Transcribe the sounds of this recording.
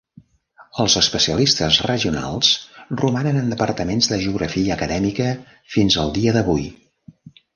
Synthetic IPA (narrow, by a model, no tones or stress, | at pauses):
əlˠzəspəsiəlist̪əzrəʒiuna̰lˠsrumanənənd̪əpərt̪əmenzðəʒəuɣɾəfiəːkəðɛmikə | finzəlˠd̪iəðəβuj